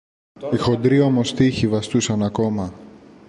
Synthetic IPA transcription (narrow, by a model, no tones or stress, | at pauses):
ixo̞d̪ɾio̞mo̞st̪içivɐst̪usɐnɐko̞mɐ